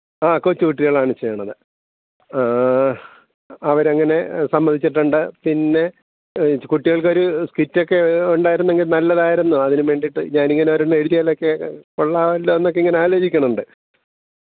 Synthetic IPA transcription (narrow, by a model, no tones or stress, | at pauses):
aːkot͡ɕːukuʈːiɣɐɭaːɳɨt͡ɕːejːɐɳɐðɨ | a | ɐʋɐɾeŋːɐne̞sɐmbɐnʱit͡ɕːiʈːuɳɖɨpinːe̞ | kuʈːiɣɐɭko̞ɾuskitːo̞kːe̞uɳɖaːjiɾunːeŋɡilnɐlːɐðaːjiɾunːuɐðinɨʋe̞ːɳɖiʈːɨ̰ɲaːniŋːɐneɐʋɐɾunːeɽiðijaːlokːekoɭːaːʋɐlːoːenːokːeiŋːɐneaːloːd͡ʑikʲːɐɳɐmuɳɖɨ